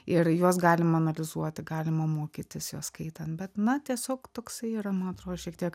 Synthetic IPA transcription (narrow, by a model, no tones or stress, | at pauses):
ɪrjoɔsɡɑːlʲɪmɐɐnɐlʲɪzuɔt̪ʲɪɡɑːlʲɪmɐmoːkʲit̪ʲɪsjoːskɐɪt̪ɐnt̪bʲɛt̪nɐt̪ʲiɛsʲoːkt̪oːksɐɪiːɾɐmɐnɐt̪ɾoːd̪oʃʲiɛk̚t̪ʲiɛk